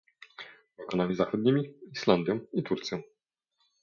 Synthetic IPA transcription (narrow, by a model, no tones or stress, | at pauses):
bɔkɔnamʲizaxɔd̪̚ɲimʲiiʃland̪jɔ̃w̃it̪uɾt̪sʲjɔ̃w̃